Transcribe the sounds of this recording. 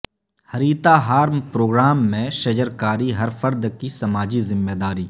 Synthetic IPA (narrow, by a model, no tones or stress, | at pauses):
hɐɾiːt̪aɦaːɾmpɾoːɡɾaːmːẽʃɐd͡ʒəɾkaːɾiɦɐɾfʰəɾd̪kisɐmaːd͡ʒizɪmːeːd̪aːɾiː